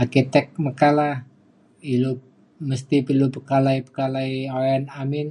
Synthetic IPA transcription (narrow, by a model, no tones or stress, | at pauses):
arkit̪ɛk̚məkalah | ilu | məst̪ipilupəkalaipəkalaioanamɪn